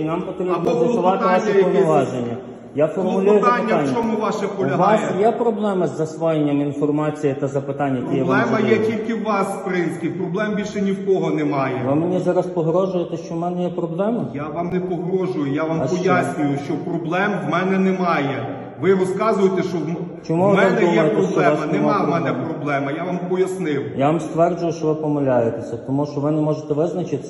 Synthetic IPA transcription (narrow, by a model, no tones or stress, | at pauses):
nɑmpɔt̪ɾʲibnzɐsʊʋɑt̪ɪʋɑʃɛpɔnɛʋɑʒenʲːɐ | jafɔrmʊlʲujʊznʲt̪ːanʲːɔmɪʋɑʃɛpɔlʲɐʋɑsj̪jɛpɾɔblˠɛmɐzːɐsʋɔjenʲːɐminfɔrmɑt͡sʲijɪt̪ɐzɐpɪt̪ɑnʲːɐtʲijɛʋ̪ˠɛmɐjɛtʲilʲkɪwʋɑspɾɪnsʲkʲijpɾɔblˠɛmbʲilʲʃɛnʲiwkɔɦɔnemɑjɛʋɪmenʲizɑɾɐspɔɦɾɔʒʊjet̪ɛʃt͡ʃɔwmɛnɛjɛpɾɔblˠɛmɐjaʋɑmnɛpɔɦɾɔʒʊjʊjaʋampɔjasʲnʲʊjʊʃt͡ʃɔpɾɔblˠɛmʋmɛnɛnɛmɑjɛ | ʋɪɾɔskɑzʊjet̪ɛʃt͡ʃɔw | t͡ʃɔmuʋɪmɐmd̪ʊjɛjet̪ɛɔʃt͡ʃɔɛasɐnɛmɑmɛnɛpɾɔblˠɛmɐjaʋɑmpɔjɐsnɪwjaʋamst̪ʋɛrd͡ʒʊjʊʃt͡ʃɔʋɪpɔmɐlʲajet̪esʲɐt̪ɔmuʃt͡ʃɔʋɪnɛmɔʒet̪ɛʋɪznɐt͡ʃɪt̪ɪ